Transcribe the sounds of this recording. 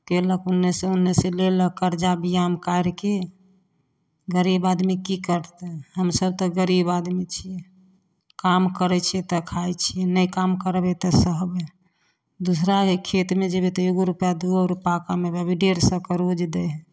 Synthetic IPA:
keləkunːeseunːeseleləkəɾd͡ʒabijamkaɾke | ɡəɾibad̪mikikəɾt̪ɛɦəmsəb̚t̪ɔɡəɾibad̪mit͡ʃʰijɛ | kamkəɾɛt͡ʃʰiɛt̪əkʰajt͡ʃʰijɛnəjkamkəɾbɛt̪ɔsəɦbe | d̪usɾaekʰet̪med͡ʒebet̪ɔeɡoɾupjad̪uɾupakamebɛbʱiɖeɾsəkəɾod͡ʒd̪ɛɦɛ̃

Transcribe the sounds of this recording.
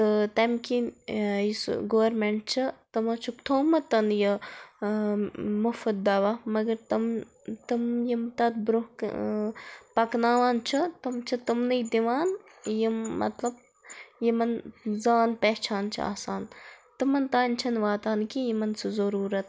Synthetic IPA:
t̪ɨt̪ɐmkinjisɡoʋɐɾmeɳʈ̚t͡ʃʰɐt̪ɐmɐt͡ʃʰukt̪ʰoːmɐt̪ɐnjɐ | mufɐd̪̚d̪ɐʋamɐɡɐɾt̪ɐm | t̪ɨmjimt̪ɐt̪̚bɾuhk | pɐknaːʋaːnt͡ʃʰɐt̪ɐmt͡ʃʰɐt̪ɨmnɨjd̪iʋaːn | jimːɐ̰t̪lɐb̚ | jimɐnzaːnpeht͡ʃʰaːnt͡ʃʰḭa̰ːsaːnt̪ɨmɐnt̪aːnt͡ʃʰɐnʋaːt̪aːnkijimɐnsɨzɐɾuːɾɐt̪

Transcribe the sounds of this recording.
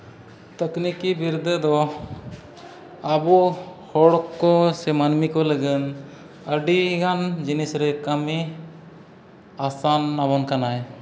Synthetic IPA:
t̪əknikibiɾd̪əd̪ɔ | abɔhɔɽɔkːɔsɛmanmikɔləɡən | əɖiɡand͡ʒinisɾɛkəmi | asanːabɔnkanaj

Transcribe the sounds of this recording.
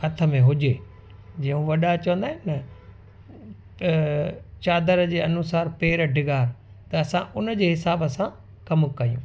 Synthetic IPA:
hɐt̪ʰə̆mẽɦʊd͡ʑeː | d͡ʑɐ̃ːũʋɐɗat͡ɕəʋə̃nd̪aːɦɪnnɐ | t͡ɕaːd̪əɾd͡ʑeːɐnʊsaːɾpeːɾəɖʱɪɡaːɾ | t̪ɐːsãʔʊnəd͡ʑeːɦɪsaːbəsã | kɐmkɐijṵ̃ː

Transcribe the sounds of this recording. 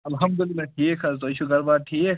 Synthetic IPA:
ɐlɦɐmd̪ʊlɪnɐʈʰiːkʰɐzt̪oʃʰuɡɐɾbaːɾʈʰiːk

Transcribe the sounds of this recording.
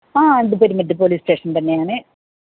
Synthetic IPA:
aːend̪ɨpːɐɾumɐʈːɨpoːliːsʈe̞ːʂɐnt̪ɐnːe̞jaːɳɨ

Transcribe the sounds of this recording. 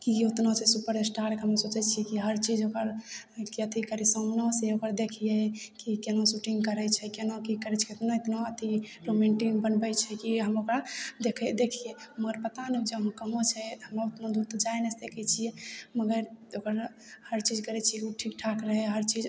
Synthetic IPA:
kiut̪nosʰɛsupəɾesʈaɾkɦəmsot͡ʃɛt͡ʃʰijɛkiɦəɾt͡ʃid͡ʒokəɾ | kiət̪ʰikəɾisəmnoseokəɾd̪ekʰijɛkikenosuʈiŋɡkəɾɛt͡ʃʰɛkenokikəɾɛt͡ʃʰɛut̪noet̪noət̪ʰiɾomeɳʈiŋbənbɛt͡ʃʰɛkiɦəmokɾad̪ekʰɛd̪ekʰijɛməɡəɾpət̪aned͡ʒeəɦõkəmot͡ʃʰɛhəmaut̪nod̪uɾt̪ɔd͡ʒajnɛsd̪ekʰɛt͡ʃʰijɛməɡəɾokəɾ | həɾt͡ʃid͡ʒkəɾɛt͡ʃʰiɛkuʈʰik̚ʈʰakɾəɦɛɦəɾt͡ʃid͡ʒ

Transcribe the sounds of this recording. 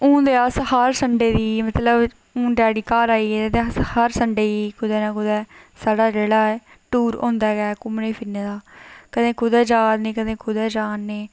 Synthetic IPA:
ũːd̪eːəshəɾsəɳɖeːd̪iːmət̪ləb | ũːd͡ʒaːɽiːkaːɾaːiːɛːet̪eːəshəɾsəɳɖeːiːkʊd̪ɛːnãːkʊd̪ɛːsaːɖaːɾeːɽaːɛː | ʈuːɾõ̰ːnd̪aːɡɛːkʊmneːpʰɪnːeːd̪aːkəd̪ẽːkʊd̪ɛːd͡ʒaːd̪neːkəd̪ẽːkʊd̪ɛːd͡ʒaːnːeː

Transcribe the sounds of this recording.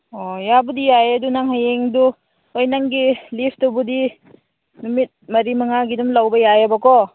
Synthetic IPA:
ojabudijajɐdunaŋɦajeŋdu | ojnaŋɡilipʰtubudi | numit̚mɐɾimaŋaɡidumlawbɐjajabakɔ

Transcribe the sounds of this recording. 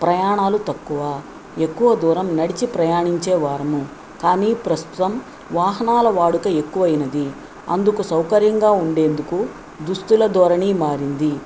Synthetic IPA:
pɾɐjaːɳaːlut̪ɐkːuʋaː | e̞kːuʋɐd̪uːɾɐmnɐɽit͡ʃipɾɐjaːɳiɲt͡ʃeːʋaːɾɐmu | kaːniːpɾɐst̪ut̪ɐm | ʋaːɦɐnaːlɐʋaːɽukɐe̞kːuʋɐjinɐd̪i | ɐ̰nd̪ukusɐwkɐɾjɐŋɡaːuɳɖe̞ːnd̪uku | d̪ust̪ulɐd̪ɔːɾɐɳiːmaːɾind̪i

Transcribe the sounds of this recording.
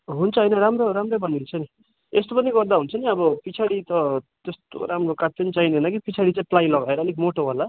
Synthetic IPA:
ɦunt͡sʰʌɦʌjnʌɾamroɾamrobʌniɦunt͡sʰʌni | est̪opʌniɡʌrd̪aɦunt͡sʰʌniʌbʌpit͡sʰaɽit̪ʌt̪est̪o̰ɾamrokat̚pʌnit͡sainenʌkipit͡sʰaɽit͡saĩplajlʌɡaeɾʌːlekmoʈoɦola

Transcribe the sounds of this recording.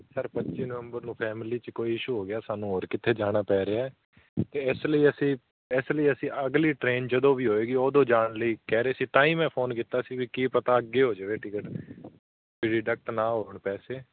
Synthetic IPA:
səɾpətːʃiːnəʋəmbəɾnũːpʰɛːmɪliːt͡ʃkoːiːɪʃuːɦoːɡɪjaːsaːnũːoːɾkɪt̪ʰːeːd͡ʒaːɽ̃aːpɛːɾeaɛː | t̪eːɪsləiːəsĩː | ɪsləiːəsĩːʔəɡliːʈɾeːnd͡ʒəd̪õːʋiːɦoːeːɡiːoːd̪õːd͡ʒaːɳləiːkɛːɾeːsiːt̪ãːĩːmɛ̃ːpʰoːnkiːt̪aːsiːʋiːkiːpət̪aːəɡeːɦoːd͡ʒəʋeːʈɪkəʈ | ɪɖɪɖək̚ʈnaːɦoːəɳpɛːseː

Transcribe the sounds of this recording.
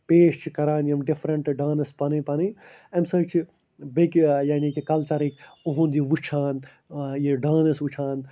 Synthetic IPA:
peːʃt͡ʃʰikɐɾaːnjɐmɖifɾɐɳʈɖãːnɐspɐnipɐni | ɐmsɐɾt͡ʃʰi | bekjaːnikikɐlt͡ʃɐɾikoɦũnd̪iʋut͡ʃʰaːn | jeɖãːnɐsʋut͡ʃʰaːn

